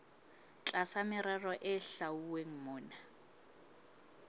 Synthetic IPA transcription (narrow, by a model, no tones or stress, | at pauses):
t͡ɬʼasamɪɾarɔʔɪɬauweŋ̩mɔːna